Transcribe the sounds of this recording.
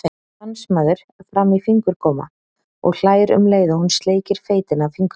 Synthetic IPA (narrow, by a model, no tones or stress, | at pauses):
θe | ansmaːðʏɾ̥ | fɾamifiŋkʏɾ̥kʰɔːma̰ | ɔ̰ɣl̥aːjɾʏ̰mleːjðahunst̪leːjcɪɾ̥feːjt̪ɪnavfiŋk